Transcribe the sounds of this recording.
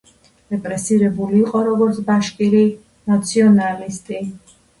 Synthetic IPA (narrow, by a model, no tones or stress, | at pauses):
ɾɛpʼɾɛsiɾɛbuliːqʼɔɾɔɡɔɾt̪sʰbaʃkʼili | nat̪sʰiɔnalist̪ʼi